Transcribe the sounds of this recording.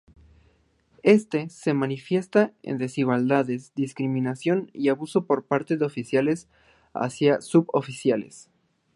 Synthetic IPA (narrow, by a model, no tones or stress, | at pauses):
e̞st̪e̞se̞manifje̞st̪aḛnd̪e̞siɣwald̪aðezd̪iskɾimĩnasjo̞niaβuso̞po̞ɾpaɾt̪eðeofisjale̞s | a̰sjasuβo̰fisjalḛs